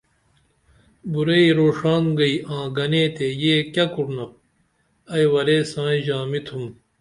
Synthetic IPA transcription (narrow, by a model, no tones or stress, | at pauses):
buɾeiɾoːʂaːnɡɐiãːɡɐneːt̪ejeːkʲɐkuɾnɐp̚ | ɐjwɐɾeːsãːĩʑaːmit̪ʰum